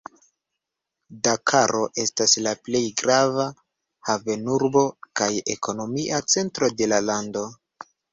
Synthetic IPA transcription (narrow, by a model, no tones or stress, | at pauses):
dakʰaɾo̞ʔe̞staslaple̞jɡɾava | have̞nuɾbo̞kaje̞ko̞no̞miʔat͡se̞ntɾo̞de̞lalando̞